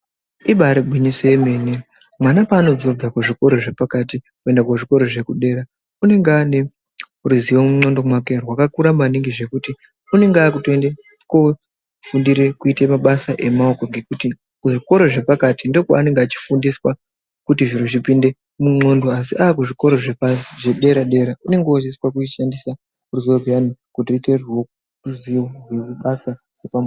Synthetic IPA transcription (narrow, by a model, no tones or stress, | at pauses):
iɓaɾeɓwiɲisojeme̞ːne | mwanapaːno̞d͡zob͡vakuʐiko̞ɾo̞ʐe̞pakati | kue̞ndakoʐiko̞ɾo̞ʐe̞kuɗe̞ːɾa | une̞ŋɡeane̞ | uruziwomuŋ͡ǀo̞ndo̞mwakerwakakuɾamaniŋɡeʐe̞kuti | une̞ŋɡeaːkutoende | ko | fundiɾe̞kuitemaɓasaʔe̞mao̞ko̞ŋɡe̞kuti | kuʐiko̞ɾo̞ʐe̞pakatindo̞kwaːne̞ŋɡeat͡ʃi̥fundiswa | kutiʐiɾoʐipinde̞ | muŋ͡ǀo̞ndoas̬iʔaːkuʐiko̞ɾo̞ʐepaʐeɗe̞ɾaɗe̞ɾaune̞ŋɡeosiswak̬uʃandisa | uruziwoɡijanikutiruite̞rwo | ruziorwekuɓasa | repam